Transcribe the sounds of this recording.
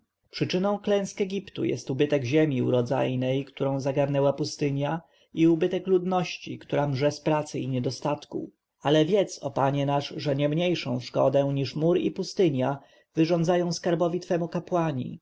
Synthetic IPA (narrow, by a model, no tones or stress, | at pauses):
pʂɘt͡ʂɘnɔ̃w̃klɛ̃w̃skɛɡʲipt̪ṵjɛ̰st̪ubɘt̪ɛɡʑemʲiuɾɔd̪za̰jnɛjkt̪uɾɔ̃w̃zaɡaɾnɛwapust̪ɘɲja | iubɘt̪ɛklud̪nɔɕt͡ɕḭkt̪uɾamʐɛspɾat̪sɘiɲɛd̪ɔst̪at̪kṵ | alɛvʲjɛt̪sɔ̰paɲɛnaʂʐɛɲɛmɲejʂɔ̃w̃ʂkɔd̪ɛ̃ɲiʂmuɾḭpust̪ɘɲja | vɘʐɔ̃nd̪zajɔ̃w̃skaɾbɔvʲit̪fɛmukapwaɲḭ